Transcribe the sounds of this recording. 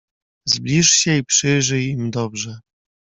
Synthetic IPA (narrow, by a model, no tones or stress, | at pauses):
zblʲiʂɕɛipʂɘʐɘjimd̪ɔbʐɛ